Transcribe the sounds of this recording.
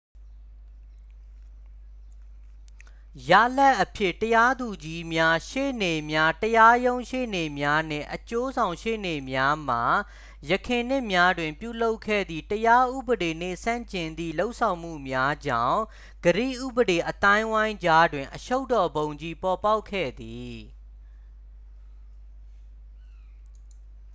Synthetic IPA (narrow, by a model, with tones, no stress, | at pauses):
ja̰˦˨lɛ˦ʔːəpʰjɪ˦˨təja˦d̪u˨d͡ʑi˦mja˦ʃḛ˦˨ne˨mja˦təja˦jõ˦ʊ̃ʃḛ˦˨ne˨mja˦n̥ɪ̰̃˦˨ʔət͡ɕo˦zã˨ʊ̃ʃḛ˦˨ne˨mja˦m̥a˨ | jəkʰɪ̃˨n̥ɪ̃˦ʔmja˦dwɪ̃˨mpjṵ˦˨lo˦ʊkʰːɛ̰˦˨d̪ðḭ˦˨təja˦ʔṵ˦˨bəɾe˨nḛ˦˨sã̰˦˨ɲt͡ɕɪ̃˨nd̪ḭ˦˨lo˦ʊʔsʰã˨ʊ̃m̥ṵ˦˨mja˦d͡ʑã̰˦˨ʊ̃ | ɡ̥əɾḭ˦˨ʔṵ˦˨bəɾe˨ʔət̪ã˦ɪ̃wã˦ɪ̃ɲd͡ʑa˦dwɪ̃˨ʔəʃo˦ʊtːɔ˨bõ˨ʊ̃ɲd͡ʑi˦pɔ˨pa˦ʊkʰːɛ̰˦˨d̪i˨